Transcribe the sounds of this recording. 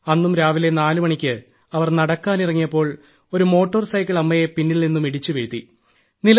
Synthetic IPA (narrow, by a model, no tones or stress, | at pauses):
ɐnːumɾaːʋile̞naːlumɐɳikʲːɨ | ɐʋɐrnɐɽɐkːaːnirɐŋːijɐpːo̞ːɭ | o̞ɾumo̞ːʈːɐrsɐjkːɐɭɐmːɐjepinːilninːumiɽit͡ɕːuʋeɻut̪ːi | nil